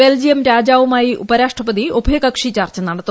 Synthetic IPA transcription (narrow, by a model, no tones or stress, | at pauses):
eːld͡ʑijɐmɾaːd͡ʑaːʋumaːjiʔṵbɐɾaːʂʈʰɐpɐd̪iubʱɐjɐkɐkʂit͡ɕaːrt͡ɕɐnɐɽɐt̪ːu